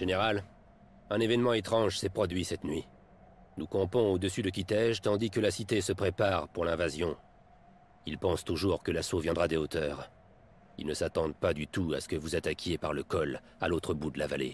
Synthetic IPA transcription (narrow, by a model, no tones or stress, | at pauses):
ʒ̥eneʁal | ɛ̃nevɛnmɑ̃et̪χɑ̃ʒsɛpχɔd̪ɥisɛt̪nɥi | nukɔ̃pɔ̃od̪əsyd̪ək̬ʲit̪ɛʒt̪ɑ̃d̪ikəlasit̪esəpχepaʁpuʁlɛ̃vazjɔ̃ | ilpɑ̃st̪uʒuʁkəlasovjɛ̃d̪ʁad̪eot̪ʰœːʁ | ḭlnəsat̪ɑ̃d̪̚pad̪yt̪ua̰sə̥kəvuzat̪akʲjepaʁləkɔl | a̰lot̪χəbud̪əlavalḛ